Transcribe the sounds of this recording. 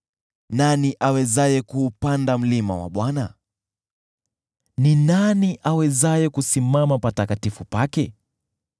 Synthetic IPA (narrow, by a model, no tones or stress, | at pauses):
naniʔawɛzajɛkuːpandam̩lima̰wa̰ɓwana̰ | ninaniʔawɛzajɛkusimamapatakatifupakɛ